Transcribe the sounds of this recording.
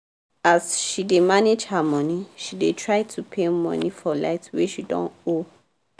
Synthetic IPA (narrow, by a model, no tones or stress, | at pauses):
asʃidemaned͡ʒhamɔniʃidetʰɹaɪtʰupʰemɔ̰̃nifɔla̰ɪtweʃidɔ̰̃no